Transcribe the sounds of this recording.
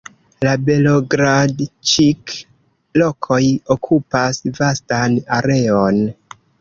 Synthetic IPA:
labe̞loɡɾadt͡ʃik | lo̞kʰo̞jo̞kʰupasvastanaɾe̞on

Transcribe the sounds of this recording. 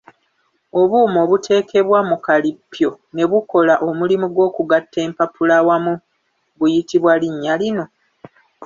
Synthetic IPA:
o̞βuːmoːβutʰe̞ːkʰe̞βwamukalipːjo̞ | ne̞βuko̞laʔo̞mulimuɡwo̞ːkuɡatːe̞ːmpapulawamu | βujitiβwaliɲːalino̞

